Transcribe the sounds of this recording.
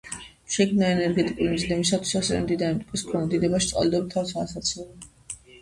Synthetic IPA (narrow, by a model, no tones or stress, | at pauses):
ʃɛkʰmnaɛnɛɾɡɛt̪ʼikʼulimzd̪ɛmisat̪ʰwisasɛvɛ̰md̪id̪ant̪ʼukʼiskʰɔnad̪id̪ɛbaʃit̪sʼa̰ld̪ɔbt̪ʰavsaːsat̪sʰɔlɔ